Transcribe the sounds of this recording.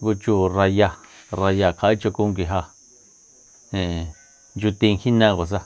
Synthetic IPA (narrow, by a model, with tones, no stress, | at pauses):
ŋɡu˧t͡ʃu˧˨ra˧ja˧ra˧ja˧˨kʰa˧˨i˦t͡ʃo˧ku˦˧ŋɡi˧ɦa˧ | hẽ˨ | nd͡ʒu˧t̪ĩ˧ŋhĩ˦nã˧kʷa˨s̬a˧